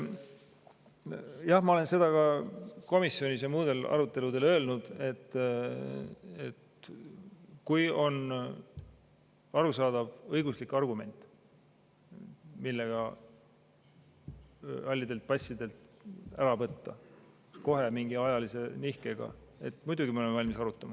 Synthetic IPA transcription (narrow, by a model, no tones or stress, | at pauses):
jɑhmɑo̞le̞nse̞d̪̥ɑkɑko̞misjo̞nis̬emuːd̪e̞lɑ̰ɾut̪ːˑe̞lud̪̥e̞lø̞ːlnud̪̥e̞t̪ː | et̪ | kujo̞n | ɑɾusɑːd̪̥ɑvɤjɡuslikːˑɑrɡume̞nʲt̪ˑ | milːe̞ɡ̥ɑ | ɑlʲːid̪̥e̞lt̪̚pɑsʲːid̪e̞lt̪æɾɑvɤt̪ːɑ | sko̞ɦe̞miŋɡiɑjɑlise̞nihke̞ɡ̥ɑ̰e̞̰t̪ːmujd̪uɡimeolemeɑlʲmisɑɾut̪ːˑɑmɑ